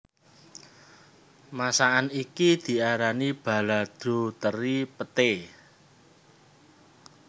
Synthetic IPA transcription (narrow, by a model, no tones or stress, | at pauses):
masaanikid̪̥i̤aɾanib̥a̤lad̪̥o̤t̪əɾipət̪e